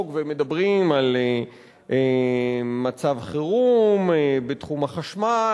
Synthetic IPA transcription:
ɡvemed̪abʁimale | ʔe | mat͡savχiʁumbetχumaχaʃma

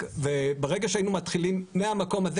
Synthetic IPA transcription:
vebeʁe̞ɡaʃeainumat̪χilimmeamako̞maze

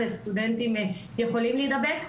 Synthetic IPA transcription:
est̪ud̪ɛnt̪imɛjɛxolimlid̪abɛk

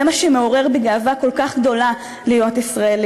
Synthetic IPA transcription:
emaʃemeo̞ʁe̞ʁbeɡaːvako̞lkaχɡd̪o̞la | lijot̪isʁaeli

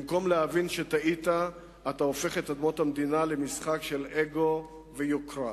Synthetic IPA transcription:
imko̞mleavinʃet̪aʔit̪aː | t̪aofe̞χetad̪mo̞t̪amd̪inale̞misχakʃe̞leɡo̞ | vejokʁa

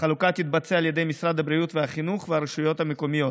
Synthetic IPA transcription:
χalukat̪it̪̚bat͡sealje̞d̪e̞jmisɾad̪habɾijut̪vehaχinuχveaɾeʃujo̞t̪hameko̞mijo̞

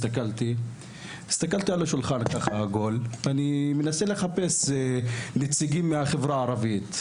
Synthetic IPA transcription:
t̪akalt̪i | i̥st̪akalt̪ialaʃulχankaχahaɡo̞lanimenasele̞χape̞s | net͡siɡimːeaχevʁaːʁavit̪

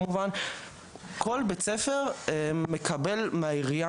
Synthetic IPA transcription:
muvan | ko̞lbet͡sefeʁme̞kʰabelmaiʁja

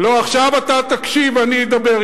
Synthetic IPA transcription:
loaχʃavat̪at̪akʃivanid̪abeʁ

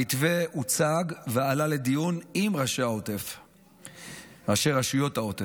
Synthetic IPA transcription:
it̪ve̞ut͡saɡvealale̞d̪ijunimʁaʃeaotef | ʁaʃe̞ʁaʃujo̞t̪aot̪e

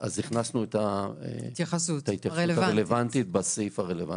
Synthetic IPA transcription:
ʔaziχnasnuetaḛt̪jaχasutait̪jaesutaʁelevant̪it̪̚basifaʁelevan

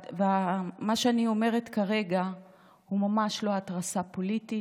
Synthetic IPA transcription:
veamaʃeanio̞me̞ʁetkaʁe̞ɡa | humamaʃloatʁasapoliti

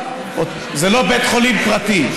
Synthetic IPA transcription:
o | zelo̞bet̪χo̞limpʁat̪i

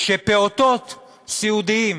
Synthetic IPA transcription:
ʃepeot̪ot̪ | siud̪iim

